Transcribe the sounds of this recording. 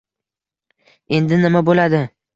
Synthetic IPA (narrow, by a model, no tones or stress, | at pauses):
e̞nd̪ɪnɪmabolad̪ɪ